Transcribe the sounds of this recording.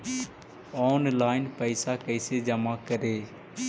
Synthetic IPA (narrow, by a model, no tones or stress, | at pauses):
ɔːnlaːɪnpəɪsaːkəɪseːd͡ʒəmaːkəɾeː